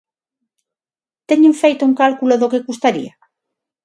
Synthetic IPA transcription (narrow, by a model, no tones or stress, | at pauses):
t̪eɲẽɱfejt̪ʊuŋkalkuloðokeɣust̪aɾḭa